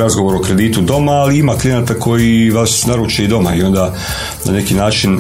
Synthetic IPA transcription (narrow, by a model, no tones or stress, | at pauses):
ɾazɡo̞ʋo̞ɾokɾe̞d̪iːt̪ud̪o̞maːliimaklˠijenaːt̪akʰo̞jiʋasnaɾuːt͡ʃeid̪o̞ma̰io̞nd̪a | na̰ne̞kinaːt͡ʃin